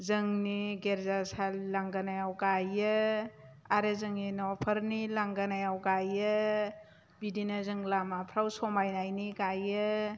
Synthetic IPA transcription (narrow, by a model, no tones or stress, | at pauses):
zəŋniɡeɾzasallaŋɡanajawkajɯ | aɾezɯŋninɔpʰəɾnilaŋɡanajawkajɯ | bidinɐzɯŋlamapʰɾawsɔmajnajnikajɯ